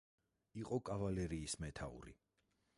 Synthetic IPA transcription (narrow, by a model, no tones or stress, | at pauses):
iqʼɔkʼavalɛɾiːsmɛt̪ʰaṵɾḭ